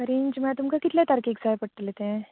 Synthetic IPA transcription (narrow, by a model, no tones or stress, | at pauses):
kəɾint͡ɕməat̪umkakit̪ljat̪aɾkikd͡zajpəɽt̪let̪ẽ